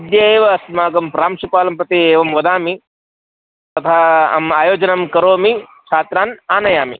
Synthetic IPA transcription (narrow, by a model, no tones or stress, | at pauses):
ɐd̪jɐeːʋɐːsmaːɡɐmpɾaːmʃupaːlɐmpɾɐt̪ieːʋɐmʋɐd̪aːmi | t̪ɐt̪ʰaːɐ̰maːjoːd͡ʒɐnɐmkɐɾoːmit͡ʃʰaːt̪ɾaːnaːnɐjaːmḭ